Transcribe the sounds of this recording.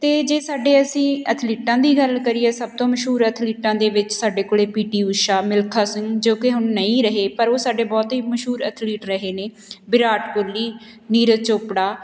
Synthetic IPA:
t̪eːd͡ʒeːsaːɖeːəsĩːət̪ʰliːʈãːd̪iːɡəlkəɾiːeːsəb̚t̪õːməʃɦuːɾət̪ʰliːʈãːd̪eːʋɪt͡ʃsaːɖeːkoːɽeːpiːʈiːuʃaːmɪlkʰaːsɪŋɡd͡ʒoːkɪɦʊnːəĩːɾəɦeːpəɾoːsaːɖeːbɔːt̪ɦiːməʃɦuːɾət̪ʰliːʈɾəɦeːneː | bɪɾaːʈɡʊlːiː | niːɾət͡ʃoːpɽaː

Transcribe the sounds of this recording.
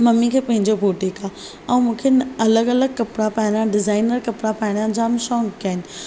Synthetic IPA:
mɐmːikʰeːpɐ̃ɦɪ̃ɲd͡ʑobʱoːʈika | ɛ̃ːmũːkʰenɐləɡɐləɡ̚kɐpɽapaːɦɪɽjãɖɪzaːɪnəɾkɐpɽapaːɪɽ̃jãd͡ʑaːmʃɔːŋkaːɪnɪ̆

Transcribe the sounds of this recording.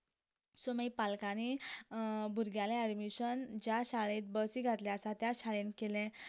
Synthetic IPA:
soməipalkani | bʱuɾɡjaleɛɽmiɕənd͡ʑaɕaɭẽt̪̚bəsiɡʱat̪leasat̪jaɕaɭẽnkelẽ

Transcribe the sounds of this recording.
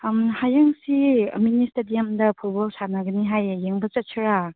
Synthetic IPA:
mhajaŋsiministadijamdɐpʰut̚bɔlsanaɡɐniɦajːeŋbɐt͡ʃatt͡ʃʰɯɾa

